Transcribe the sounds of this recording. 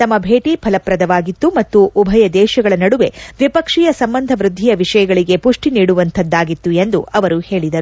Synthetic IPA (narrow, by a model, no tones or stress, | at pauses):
t̪ɐmːɐbʱeːʈipʰɐlɐpɾɐd̪ɐʋaːɡit̪ːumɐt̪ːuʔːbʱɐjɐd̪ɛːʃɐɡɐɭɐnɐɽuʋe̞ʋipɐkʂijɐsɐmbɐnd̪ʱɐʋɾud̪ʱːijɐʋiʂɐjɐɡɐɭiɡe̞puʂʈiniːɽuʋɐnt̪ʰɐd̪ːaːɡit̪ːue̞nd̪uʔɐʋɐɾuhe̞ːɭid̪ɐɾu